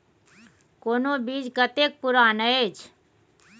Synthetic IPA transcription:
koːnobiːd͡ʒɡət̪eːk̚pʊɾaːnəet͡ʃʰ

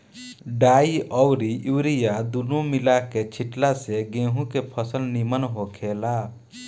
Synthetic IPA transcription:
ɖaːiʔɔwɾiʔiwɾijad̪unomilaket͡ʃʰiʈlaseɡẽːɦũkepʰəsəlnimənɦokʰela

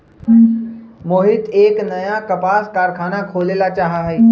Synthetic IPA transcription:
moːɦɪt̪eːknɐjakɐpaːskaːɾkʰaːnakʰoːleːlat͡ʃaːɦaɦeː

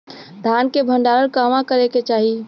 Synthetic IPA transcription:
d̪ʱankebʱə̃ɳɖaɾəlkamãkəɾeket͡ʃaːɦi

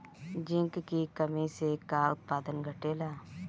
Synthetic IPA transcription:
d͡ʒɪ̃ŋkkikəmisekaːʊt̪̚paːd̪ənɡʱəʈeːlaː

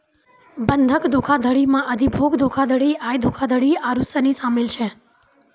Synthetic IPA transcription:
bənd̪ʱəkd̪ʱokʰad̪ʱəɽimãəd̪ʱibʱoɡd̪ʱokʰad̪ʱəɽiajd̪ʱokʰad̪ʱəɽiaɾusənisamelt͡ʃʰe

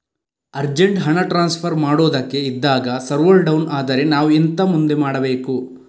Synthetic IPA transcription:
ɐɾd͡ʒeɳʈɦɐɳɐʈɾaːnspʰɐɾmaːɽoːd̪ɐkːe̞id̪ːaːɡɐsɐɾʋɐlɖɐwnaːd̪ɐɾe̞naːʋuent̪ɐmund̪e̞maːɽɐbeːku

